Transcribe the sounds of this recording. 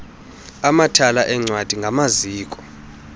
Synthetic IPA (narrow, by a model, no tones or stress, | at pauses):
amatʰalaʔɛŋ͡ǀwad̥ʱiŋɡʱamaziːkʼɔ̥